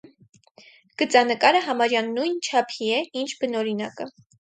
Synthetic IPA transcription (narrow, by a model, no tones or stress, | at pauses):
ɡ̥ət͡sɑnəkɑɾəɦɑmɑɾjɑnːujnt͡ʃʰɑpʰiɛint͡ʃʰbənɔɾinɑkə